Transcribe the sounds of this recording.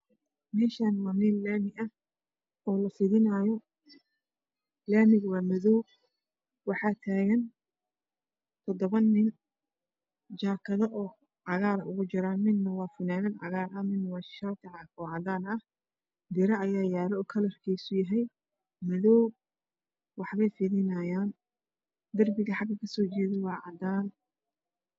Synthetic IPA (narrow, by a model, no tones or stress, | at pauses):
mɛːʃaːnwɑːnɪnlaːmɪʔɐ | ɔːlɐfɪðɪnaːjɔ | laːmɪɣwɑːmɐðɔw | wɑħɑːt̪ʰaːɣɐn | t̪ʰɔd̪ɔβɐnːɪn | d͡ʒaːkʰɐðɐʔɔː | ʕɑɣaːɾɐʔʊɣʊt͡ʃɪɾaːnɪnnɐwɑːfʊnaːðɐnʕɑ̰ɣaːɾɐmɪnwɑʃaːt̪ʰɪʕɑkɔːʕɑd̪aːnɐh | d̪ɪɾɐʔɐjaːjaːlɛɔːkʰɐlɐrkʰɛjsʊjɐɦɛj | mɐðɔw | wɑħβɛjfɪðɪnɐjaːn | d̪ɐrbɪɣɐħɑɡɐkʰɐsɔːt͡ʃɛːðɛwɑːʕɑd̪aːn